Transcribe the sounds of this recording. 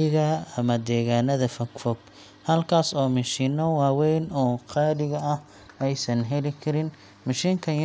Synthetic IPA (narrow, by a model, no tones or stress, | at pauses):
ɪɣɐɐmɐd̪ɛːɣaːnɐðɐfɐkfɔɡ̚ | hɐlkʰaːsɔːmɐʃiːnɔwɑːwɛjnɔːqʰɑːɾɪɣɐɐh | ɛjsɐnɦɛlɪkʰɐɾɪn | mɐʃiːŋkʰɐn